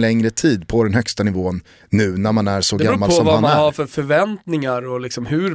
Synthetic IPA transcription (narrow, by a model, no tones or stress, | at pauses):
lɛŋɾət̪ʰiːd̪pʰɔd̪ɛnhœkst̪anɪvoːənː | ʉ̟ːnæɾmanæɾʂɔdɡaɾmːalsɔmvamanmaæhaɾfœɾfœɾvɛnt̪nɪŋaɾɔlɪksɔmhʉ̟ɾ